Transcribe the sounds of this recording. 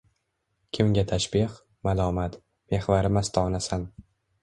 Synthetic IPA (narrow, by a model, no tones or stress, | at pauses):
kʲʰɪmɡʲat̪ʰaʃbiq | malˠɒːmat̪ | me̞hvaɾɪmast̪ʰɒːnasan